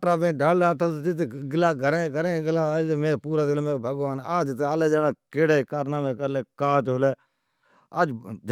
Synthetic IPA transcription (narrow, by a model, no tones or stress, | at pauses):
ɾaːmẽːɖaːllaːt̪ad͡ʒɪt̪ːɡɪlaːɡəɾekəɾẽːɡlaːmẽːpuːɾaːd̪lːmẽːbʱəɡaːnaːd͡ʒt̪aːleːd͡ʒaːnaːkeːɽeːkaːɾnaːmẽːkəɾleːkaːt͡ʃ̪ɦʊleː | əd͡ʒd͡ʒ